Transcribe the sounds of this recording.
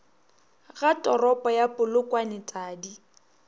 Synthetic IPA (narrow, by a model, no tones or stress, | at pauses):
ɣatʼɔrɔpʼɔjapʼʊlʊkʼwanɪtʼaːdi